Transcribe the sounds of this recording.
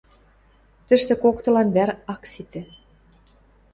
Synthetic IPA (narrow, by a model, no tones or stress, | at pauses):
t̪ə̆ʃt̪ĕkokt̪ɤ̆lɑnβæɾɑksit̪ĕ